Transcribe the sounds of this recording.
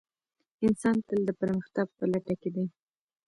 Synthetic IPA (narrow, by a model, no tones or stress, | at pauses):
ɪnsɑnt̪əld̪əpəɾməxt̪ɑɡ̚pəlaʈaked̪aj